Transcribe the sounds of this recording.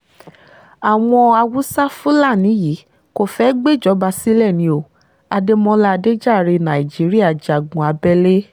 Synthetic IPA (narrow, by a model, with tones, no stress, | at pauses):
a˨w̃ɔ̃˧a˧wu˦sa˦fu˦la˦˨nĩ˨˦ji˨˦ | ko˨fɛ˦ɡ͡be˦˨d͡ʒɔ˨˦ba˧si˦lɛ˦˨nĩ˧˦o˨ | a˧de˧mɔ̃˧la˦˨˧de˦d͡ʒa˦˨ɾe˧nã˨i˨d͡ʒi˨˦ɾi˦a˦˨d͡ʒa˨ɡũ˨a˧bɛ˦le˦